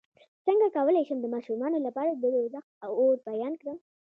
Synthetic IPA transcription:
səŋɡakawəlajʃəmd̪əmɑʃumɑnolapɑɾad̪əezaxawoɾbajɑnkɽəm

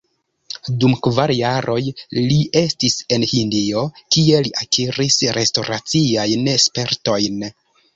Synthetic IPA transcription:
dumkvaɾjaɾʔo̞jliʔe̞stise̞nhindio̞kie̞liʔakʰiɾisɾe̞sto̞ɾat͡siajnespe̞ɾto̞jn

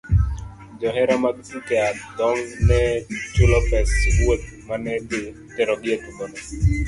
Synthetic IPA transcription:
d͡ʒɔɦɛɾamaɡtukɛad̪ɔŋnɛt͡ʃʊlɔpɛswot̪̚manɛte | tɛɾɔɡɪet̪uɡɔnɛ

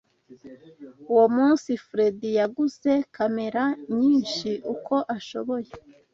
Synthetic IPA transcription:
uwo̞muːnsifɾe̞dijaɡuze̞kʰame̞ɾaɲiːnʃiʔukʰo̞ʔaʃo̞βo̞je̞

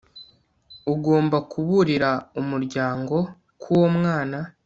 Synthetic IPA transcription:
uɡo̞ːmbakʰuβuɾiɾaumuɾɟaːŋɡo̞ | kuwomŋaːna

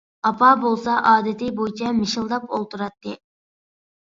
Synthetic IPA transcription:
ɑpʰɑbolˠsɑʔɑːd̪ɪt̪ʰɪbojt͡ʃʰɛmɪʃilˠd̪ɑpo̰lˠt̪uɾɑt̪ːɨ

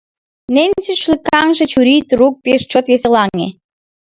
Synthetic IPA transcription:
nenʲt͡syʃlikɑŋʒĕt͡ɕuɾit̪ruk̚peʃt͡ɕot̪jesĕlɑŋḛ

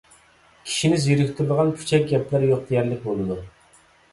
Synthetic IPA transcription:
kʲʰi̥ʃinɪziɾɪkʲt̪ʰɪɾlˠəʁɑnpʰy̥t͡ʃʰɛk̚ʲɡʲɛplæɾjoq̚d̪ʰejɛɾlɪk̚ʲbolˠɨd̪u

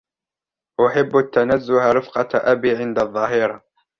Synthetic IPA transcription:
ʔʊħɪbːat̪ːanazːʊhaɾɪfqɑʔabiːʕɪnd̪aðˤːɑːɦɪɾˤɑ

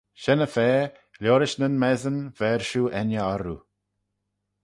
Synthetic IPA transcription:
ʃɛnəfɛː | lʲjoːɾɪʃnənmɛzənvɛɹʃuːʔɛnjəaɾṵ

